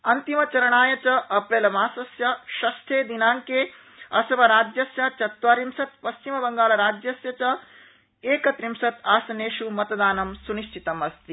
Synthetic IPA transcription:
ɐnt̪imɐt͡ʃɐɾɐɳaːjɐt͡ʃɐʔɐpɾeːlɐmaːsɐsjɐʃɐst̪ʰeːd̪inaːŋkeː | ɐ̰sɐʋɐɾaːd͡ʒjɐsjɐt͡ʃɐt̪ʋaːɾimsɐt̪pɐst͡ʃimɐbɐŋɡaːlɐɾaːd͡ʒjɐsjɐt͡ʃɐ | eːkɐt̪ɾimsɐt̪aːsɐneːʃumɐt̪ɐd̪aːnɐmsuniʃt͡ʃʰit̪ɐmɐst̪i

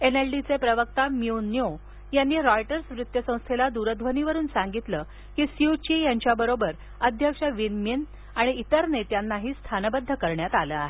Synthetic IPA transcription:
enelɖit͡sepɾəʋək̚t̪amiunjo | janːiɾɔjʈəɾsʋɾut̪jəsə̃w̃st̪ʰelad̪uɾəd̪ʱʋəniʋəɾuːnsãŋɡit̪lə | kiːsiut͡ɕijaɲt͡ɕjabəɾobəɾ | əd̪ʱjəkʂəʋinmin | aɽ̃iːt̪əɾnet̪janːaɦiːst̪ʰanəbəd̪ʱːəkəɾɳjat̪aləːaɦe

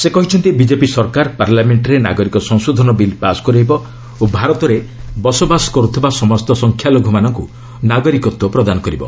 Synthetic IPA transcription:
sekɔɦit͡ʃʰɔnt̪ibid͡ʒepisɔɾkaɾpaɾlameɳʈɾena̰ɡɔɾikɔsɔŋsod̪ʱɔnɔbilpasɔ̥kɔɾejbɔ | obʱaɾɔt̪ɔɾebɔsɔbasɔ̥kɔɾut̪ʰibasɔmɔst̪ɔsɔŋkʰjaloɡʱɔmanɔŋkṵ | naɡɔɾikɔt̪wɔpɾɔd̪anɔkɔɾibɔ̰

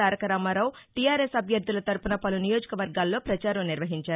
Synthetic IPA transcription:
aːɾɐkɐɾaːmaɾaːwʈijaːɾesɐbʱjɐɾd̪ulɐt̪ɐɾpunɐpɐlunijo̞ːd͡ʒɐkɐʋɐɾɡaːlːo̞ːpɾɐt͡ʃaːɾɐmniɾʋɐɦiɲt͡ʃaːɾu

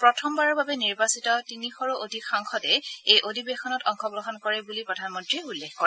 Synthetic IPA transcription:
pɹɔtʰɔmbaɹɔɹbabɛniɹbasitɔtinixɔɹuʔodʱikxaŋxɔtɛejʔodʱibexɔnɔtɔŋxɔɡɹɔɦɔnkɔɹɛbulipɹɔdʱanmɔntɹiulːexkɔɹɛ

